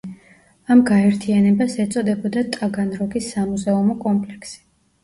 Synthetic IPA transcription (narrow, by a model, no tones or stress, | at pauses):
amɡaɛɾt̪ʰianɛbasɛt̪sʼɔd̪ɛbɔd̪at̪ʼaɡanɾɔɡisːamuzɛumɔkʼɔmpʼlɛksi̥